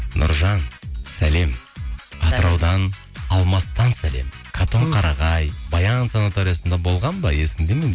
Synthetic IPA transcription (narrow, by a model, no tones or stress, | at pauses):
nʔʊ̰ɾʒɑnsæle̞mɑt̪əɾɑwd̪ɑn | ɑlˠmɑst̪ɑnsæle̞̰m | kʰat̪ʰo̞ɴqʰɑɾɑʁɑjbɑjɑnsɑnat̪oɾijasənd̪ɑbo̞lˠʁɑnbɑ̰je̞sɪnd̪e̞men